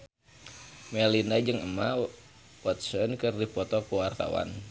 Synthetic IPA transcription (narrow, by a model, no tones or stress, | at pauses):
mɛlinad͡ʒɨŋəma | wɔt̪̚sɔnkɨrdipɔt̪ɔkuwart̪a̰wa̰n